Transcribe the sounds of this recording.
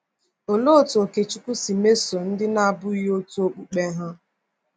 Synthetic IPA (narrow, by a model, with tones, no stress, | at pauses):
o˨lo˦˨tu˨o˨ke˨t͡ʃu˦ku˦si˨me˦so˨n̩˦dɪ˦na˦˨bʊ˦i˦ɦo˦tu˦o˦k͡pu˦k͡pe˦ɦʊ˦